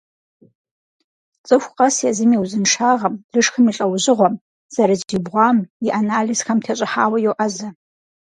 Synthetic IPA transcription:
t͡sʼɨxʷqʼasjazɨmiwzɨnʂʰaʁamlɨʂxʰɨmiɬʼawʒʷɪʁʷam | z̥aɾazdibʁʷamiʔanalisxamtʰat͡ʃʷʼɪħaːwajowʔazɨ

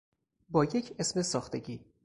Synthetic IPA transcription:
bɒːje̞cʰesmesɒːxt̪ʰeɟʲiː

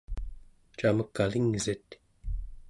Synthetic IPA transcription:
t͡ʃaməkːaliŋzit̪

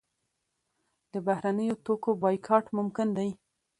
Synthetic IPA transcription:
d̪əbahɾanəjot̪okobɑjkʰɑʈmʊmkɪnd̪aj

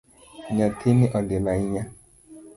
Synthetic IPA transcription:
ɲakʰenɪʔɔdɪlaɪɲa

